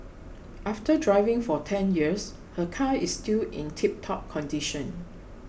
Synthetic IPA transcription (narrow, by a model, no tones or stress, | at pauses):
ʔaftədɹaɪvɪ̃ŋfɔtʰɛ̃njiəs | həkʰaistilḭ̃ntʰip̚tʰɔp̚kʰɔ̃ndiʃə̃n